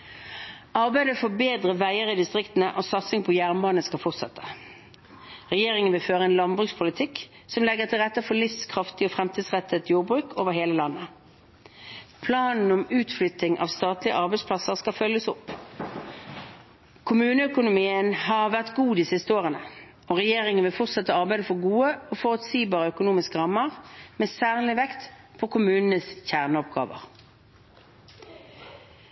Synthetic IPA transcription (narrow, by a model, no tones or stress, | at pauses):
ɑʁbæɪd̪əfɔbeːd̪ʁəʋæɪəʁɪd̪ɪst̪ʁɪkt̪n̩əʔosɑt̪sɪŋpʰɔjæʁnbɑːnəskɑfɔʁt̪sɛt̪ːə̥ | ʁɛjeːʁɪŋənʋɪlføːʁəɛːnlɑnbʁʉːkspʰʊlɪt̪ʰɪk | sɔmlɛɡəʁt̪ʰɪlʁɛt̪ːəfɔlɪfskʰʁɑft̪ɪɔːfʁɛmt̪ʰiːd̪sʁɛt̪ʰːət̪juːʁbʁʉːkʰoːʋəʁheːləlɑnːə | pʰlɑːnn̩ɔmʉːt̪flʏt̪ɪŋʔɑ̰ʋst̪ɑːt̪lɪə̰ʔɑʁbæɪspʰlɑsəʁskɑfœljəsɔpː | kʰʊmʉːnəœkʊnʊmiːənhɑʁʋæʁt̪ɡuːd̪isɪst̪əoːʁənə | ɔʁɛjeːʁɪŋənʋɪlfɔʁt̪sɛt̪ːəɑʁbæɪd̪əfɔʁɡuːəɔːfɔʁʉt̪siːbɑːʁəœkʊnuːmɪskəʁɑmːəʁmeːsæːʁlɪʋɛkt̪ | pʰɔkʰʊmʉːnn̩əsçæʁnəɔp̚ɡɑ̰ːʋə̰ʁ